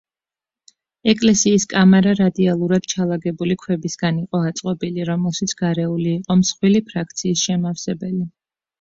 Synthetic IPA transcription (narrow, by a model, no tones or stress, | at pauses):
ɛkʼlɛsiːskʼamɛɾaɾad̪ialˠuɾad̪̥̚t͡ʃʰalˠaɡɛbulikʰwɛbisɡaniqʼɔat̪sʼqʼɔbiliɾɔmɛlˠʃit̪sʰɡ̥aɾɛuliːqʼɔmsχwilipʰɾak̚ʰt̪sʰiːsʃɛmafsɛbɛli